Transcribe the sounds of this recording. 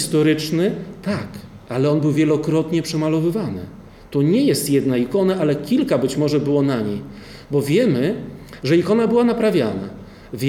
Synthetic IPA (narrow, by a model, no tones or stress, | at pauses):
st̪ɔɾɘt͡ʂnɘt̪ak | alɛɔnbɘwvʲjɛlɔkɾɔt̪ɲɛpʂɛmalɔvɘvanɘ̰ | t̪ɔɲɛjɛst̪jɛd̪naikɔnaʔalɛkʲilkabɘt͡ɕmɔʐɛbɘwɔnaɲej | bɔvʲjɛmɘ | ʐɛikɔnabɘwanapɾavʲjana̰ | vʲ